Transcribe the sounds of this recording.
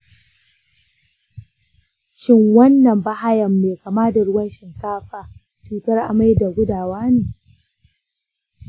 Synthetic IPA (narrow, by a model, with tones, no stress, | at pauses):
ʃɪ˦ŋwɐ˦nːɐ˨mba˦ha˦jɐ˨mːeː˨kaː˨maː˦da˨ɽʊ˦wɐ˦nʃɪ˨ŋkaː˦ɸaː˨ | t͡ʃuː˦tɐ˦rʔa̰˨ma˦jda˨ɡʷʊ˦daː˨waː˦neː˨